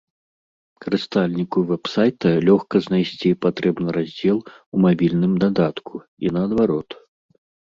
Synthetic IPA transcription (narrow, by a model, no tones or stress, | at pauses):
kɐɾɨst̪alʲnʲikuvɛpsajt̪ɐlʲɔxkɐznajsʲt͡sʲipat̪ɾɛbnɨɾazʲd͡zʲɛlˠumabʲilʲnɨmd̪ad̪at̪kʰu | inɐːd̪vaɾɔt̪